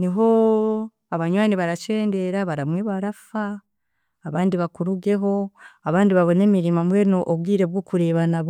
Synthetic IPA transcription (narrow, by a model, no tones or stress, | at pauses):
niɦo̞ | aβaɲwaːniβaɾat͡ʃe̞ːnde̞ɾaβaɾamweβaɾafaː | βaːndiβakuɾuɡe̞ɦo̞aβaːndiβaβo̞ne̞miɾimamwe̞ːɾnoʔoβɡiːɾe̞bɡokuɾe̞ːβanaβo